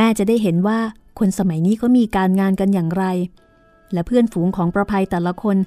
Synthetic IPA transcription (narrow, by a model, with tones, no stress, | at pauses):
mɛː˥˩t͡ɕa˨˩daː˥˩jɦe˩˦nwaː˥˩ | kʰo˧nsa˧ma˨˩˦jniː˦˥˩kʰɔ˦˥miː˧kaː˧nŋaː˧nka˧njaː˨˩ŋɾa˧j | lɛː˦˥pʰɯ˥˩ənfuː˩˦ŋkʰɔː˩˦ŋpɾa˧pʰa˧jt̪ɛː˨˩la˧˦kʰo˧n